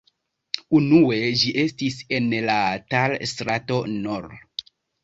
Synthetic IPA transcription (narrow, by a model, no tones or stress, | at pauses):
unue̞d͡ʒiʔe̞stise̞nlatalstɾato̞noɾ